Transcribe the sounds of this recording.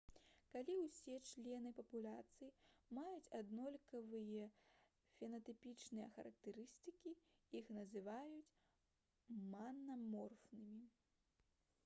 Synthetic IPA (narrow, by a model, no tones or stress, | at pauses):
kalʲiwsʲɛt͡ʂlʲɛnɨpɐpulʲat̪sɨjimajut͡sʲad̪nɔlʲkɐvɨjɐ | fʲɛnɐt̪ɨpʲit͡ʂnɨjɐ̰xɐɾɐk̚t̪ɛɾɨst̪ɨkʲi | ixnɐzɨvajut͡sʲ | manːɐmɔrfnɨmʲi